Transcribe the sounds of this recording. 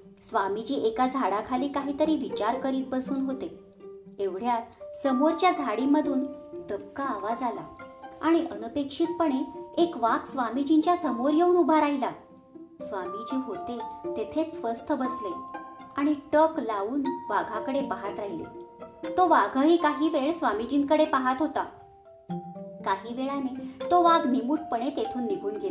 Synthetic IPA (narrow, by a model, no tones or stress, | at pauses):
sʋamid͡ʑiːʔekad͡zʱaɽakʰaliːkaɦiːt̪əɾiːʋit͡ɕaɾkəɾiːt̪̚bəsuːnɦot̪e | eʋɽ̤jasəmoɾt͡ɕjad͡zʱaɽiməd̪ʱuːnd̪əpkaːʋad͡zalaaɽ̃iʔənəpekʂiːt̪̚pəɳeekʋaksʋamid͡ʑiɲt͡ɕjasəmoɾjəunubʱaɾaɦila | sʋamid͡ʑeɦot̪et̪et̪ʰet͡sfəst̪ʰəbəsleaɽ̃iʈəklauːnʋaɡʱakəɽepaɦat̪ɾaɦilḛt̪oʋaɡʱaɦiːkaɦiːʋeɭsʋamid͡ʑinkəɽepaɦat̪ɦot̪a | kaɦiːʋeɭanet̪oʋaɡnimuːʈ̚pəɽ̃et̪et̪ʰuːnːiɡʱuːnɡʱela